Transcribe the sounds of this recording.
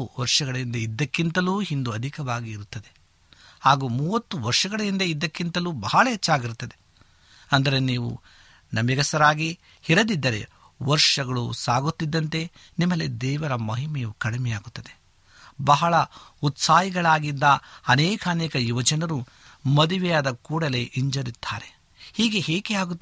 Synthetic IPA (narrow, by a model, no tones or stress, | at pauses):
ʋɐɾʂɐɡɐɭɐind̪ɐid̪ːɐkːint̪ɐluːɦind̪uɐd̪ʱikɐʋaːɡiːɾut̪ːɐd̪e̞ | haːɡuːmuːʋɐt̪ːuʋɐɾʂɐɡɐɭɐind̪ɐid̪ːɐkːint̪ɐluːbɐɦɐɭɐɛt͡ʃːaːɡiɾut̪ːɐd̪e̞ | ɐnd̪ɐɾe̞niːʋṵ | nɐmiɡɐsɐɾaːɡi | hiɾɐd̪id̪ːɐɾe̞̰ | ʋɐɾʂɐɡɐɭusaːɡut̪ːid̪ːɐnt̪e̞ | nimːɐled̪ɛːʋɐɾɐmɐɦimɛjukɐɽimɛjaːɡut̪ːɐd̪e | bɐɦɐɭɐut̪saːjiɡɐɭaːɡid̪ːɐɐnɛːkɐːnɛːkɐjuʋɐd͡ʒɐnɐɾu | mɐd̪iʋɛjaːd̪ɐkuːɽɐle̞ʔiɲd͡ʒɐɾit̪ʰːaːɾe̞ | hiːɡe̞hɦeːkeaːɡuː